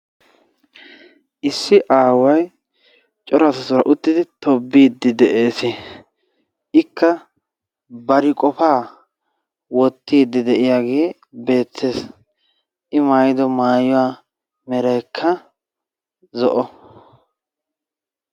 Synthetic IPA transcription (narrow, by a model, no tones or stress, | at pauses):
ʔɪsːɪʔaːwɐj | t͡ʃʼɔɾɐsɐsʊɾɐʔʊt̪ːɪd̪ɪt̪ɔbːiːd̪ːɪd̪ɛʔe̞ːsɪ | ʔɪkːɐ | bɐɾɪkʼɔfaː | wɔt̪ːiːd̪ːɪd̪ɛʔɪjaːɡe̞ː | be̞ːt̪ʰːe̞ːs | ʔɪmaːjɪd̪ɔmaːjɔwaː | mɛɾɐjkʰːɐ | zɔʔɔ